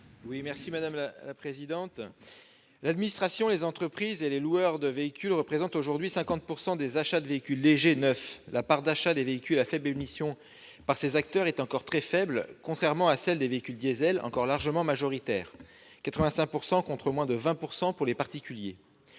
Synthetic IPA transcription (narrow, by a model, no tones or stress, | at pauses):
wimɛʁsimad̪amlalapχezid̪ɑ̃t̪ | lad̪minist̪χasjɔ̃lezɑ̃t̪χəpχizeleluœʁd̪əveikʲylʁəpχezɑ̃t̪oʒuʁd̪ɥisɛ̃kɑ̃t̪̚puʁsɑ̃d̪ezaʃad̪əveikʲylːeʒenœflapaʁd̪aʃad̪eveikʲylafɛblemisjɔ̃ | paʁsezak̚t̪œʁɛt̪ɑ̃kɔʁt̪χɛfɛblkɔ̃t̪χɛʁmɑ̃asɛld̪eveikʲyld̪jezɛlɑ̰̃kɔʁlaʁʒəmɑ̃maʒɔʁit̪ɛːʁ | kat̪χəvɛ̃sɛ̃k̚puʁsɑ̃kɔ̃t̪χəmwɛ̃d̪əvɛ̃puʁsɑ̃puʁlepaʁt̪ikʲylje